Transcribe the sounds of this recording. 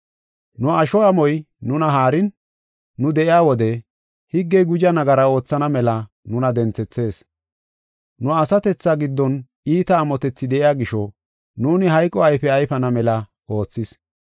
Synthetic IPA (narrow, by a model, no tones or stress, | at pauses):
nʊɐʃɔɐmɔj | nʊnɐɦaːɾɪnː | ʊd̪ɛʔɪjaːwɔd̪ɛ | hɪɡːɛjɡʊd͡ʒɐnɐɡɐɾɐo̞ːt͡sːɐnɐmɛlɐ | nʊnɐd̪ɛnt͡sːɛt͡sːe̞ːs | nʊɐsɐt̪ɛt͡sːaɡɪd̪ːɔn | iːt̪ɐːmɔt̪ɛt͡sːɪd̪ɛʔɪjaːɡɪʃɔ | nuːnɪɦɐjkʼːɔɐjfɛɐjfɐnɐmɛlɐ | o̞ːt͡sːɪs